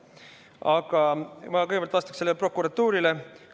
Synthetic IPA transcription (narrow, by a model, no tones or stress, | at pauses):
ɑɡ̥ɑmɑkɤjɡvɑlt̪vɑst̪ɑ̥kselːelpro̞kːˑuɾɑt̪ːuːɾile